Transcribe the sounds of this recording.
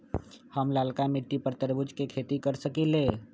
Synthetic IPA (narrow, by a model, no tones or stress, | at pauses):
həmlaːlkamɪʈːipəɾt̪əɾbʊd͡ʒkekʰeːt̪ikəɾsəkileː